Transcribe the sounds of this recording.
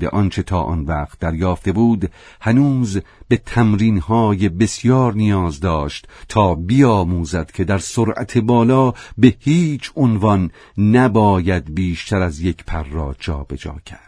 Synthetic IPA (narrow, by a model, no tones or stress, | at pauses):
d̪ḛʔɒnt͡ʃʰe̞t̪ʰɒːʔɒ̰nvæːqt̪̚d̪æɾjɒːft̪e̞buːd̪ | hænuːz | be̞t̪ʰæmɾiːnhɒːje̞be̞sjɒːɾnijɒːzd̪ɒːʃt̪t̪ʰːɒːbijɒːmuːzæd̪̥kʰe̞d̪æɾsoɾʔæ̰t̪ʰe̞bɒːlɒːbe̞hiːt͡ʃʰonvɒnː | æbɒːjæd̪biːʃt̪ʰæɾæzje̞kʰpʰærːɒ̰ːt͡ʃʰɒ̰ːbe̞d͡ʒɒ̰ːcʰæɾd̪̥